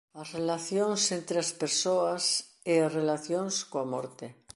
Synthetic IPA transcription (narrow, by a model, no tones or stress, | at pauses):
ɐsrelaθjoŋsent̪ɾeaspeɾsoas | easrelaθjõŋskoamo̰ɾt̪e